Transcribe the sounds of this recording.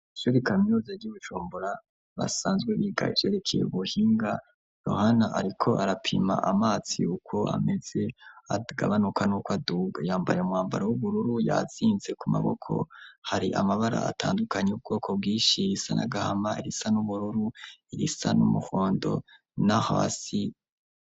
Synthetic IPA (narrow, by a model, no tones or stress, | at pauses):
ʃuɾikaminozaɾɟuβut͡ʃuːmbuɾa | βa̰saːnzɡweβiɡa̰iv̥eɾe̞kʰejḛβuhiːŋɡa | jo̞̰hanaʔaɾikʰo̞ʔaɾapʰima̰ʔamaːt͡sḭukʰo̞a̰me̞z̥e̞aɡaβanukanukwaduɡajaːmbajeumŋwaːmbaɾawuβuɾuɾujaziːnze̞kuma̰βo̞̰kʰo̞̰haɾiʔamaβaɾa̰a̰tʰaːndukʰaɲeub̚ɡo̞ːkʰo̞b̚ɡiːʃiɾisana̰ɡahamaiɾisanuβuɾuɾuiɾisanumuhoːndo̞̰ | naha̰ːsi